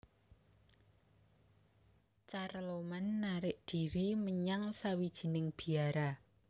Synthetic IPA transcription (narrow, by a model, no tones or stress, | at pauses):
t͡ʃaɾlomanːaɾɪʔd̪̥iɾiməɲaŋsawid̥ʒ̥i̤nɪŋb̥i̤aɾa